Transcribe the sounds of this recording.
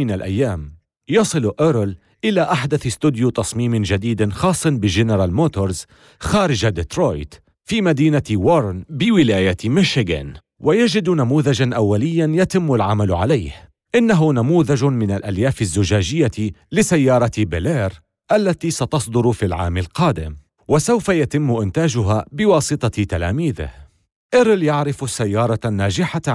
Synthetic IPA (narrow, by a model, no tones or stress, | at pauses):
ɪnalʔa̰jːaːm | jɑsˤɨlʔɪɾl | ʔɪlaːʔaħd̪aθst̪ʊd̪jut̪ɑsˤmiːmɪnd͡ʒad̪iːd̪xɑːsˤːɑnbɪʒɪnɾˤaːlmoːt̪oɾz | xaːɾɪd͡ʒad̪ɪt̪ɾoːjt̪ | fiːmad̪iːnawoɾˤnbɪwɪlaːjamɪʃɪɡa̰n | wajad͡ʒɪd̪namuːðad͡ʒanʔawːalɪjːanjat̪ɪmːʊlʕamalʕalajh | ʔɪnːaɦʊnamuːðad͡ʒmɪnalʔaljaːfɪzːʊd͡ʒaːd͡ʒɪjːalɪsajːɑːɾˤɑt̪bɪleːɾ | ʔalːat̪isat̪ɑsˤd̪ʊɾfilʕa̰ːmɪlqɑːd̪ɪ̰m | wasawfajat̪ɪmːʔɪnt̪aːd͡ʒʊɦabɪwɑːsˤɨt̪ˤɑt̪ala̰ːmiːðɪ̰h | ʔɪɾɪljaʕɾɪfsːajːɑːɾˤɑnːaːd͡ʒɪħa